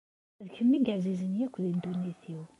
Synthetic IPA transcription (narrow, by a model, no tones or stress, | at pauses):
ðkəmːiɡəʕzizənjækʷːðind̪unːiθiw